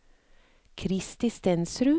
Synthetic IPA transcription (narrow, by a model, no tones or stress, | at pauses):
kʰɾɪst̪ɪst̪ɛnsɾʉː